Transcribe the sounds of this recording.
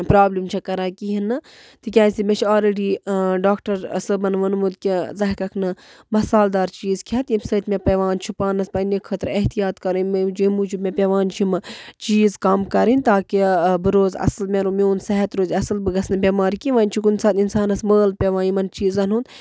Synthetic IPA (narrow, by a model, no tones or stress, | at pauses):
pɾaːblimt͡ʃʰɐkɐɾaːkiɦinɨ | t̪ɨkʲaːsʲimʲɐt͡ʃʰaːlɾeːɖiːɖaːkʈɐɾsɨbɐnʋɐnmud̪kʲizɐɦkɐkʰnɨmɐsaːld̪aːɾt͡ʃiːzkʰʲɐt̪jimsɐt̪mʲepɐʋaːnt͡ʃʰipaːnɐspɐnikʰəːt̪ɾɐɦt̪ijaːt̪kɐɾɨmd͡ʒimud͡ʒibmʲepʲeʋaːnt͡ʃʰimɨt͡ʃiːzkɐmkɐɾinʲt̪aːkibɨɾoːzɐ̰slmʲeɾumʲeːnsɐɦɐt̪ɾoːzʲɐsɨlbɨɡɐsnɨbʲeːmaːɾikiʋaːnʲt͡ʃʰikunsaːt̪insaːnɐsməːl̚pʲeʋaːnjimɐnt͡ʃiːzɐnund̪